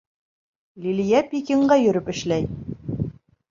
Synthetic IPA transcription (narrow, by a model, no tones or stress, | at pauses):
lʲilijæpʲikʲiɴɢɑjɵ̆ɾɵpɘ̆ʃlæj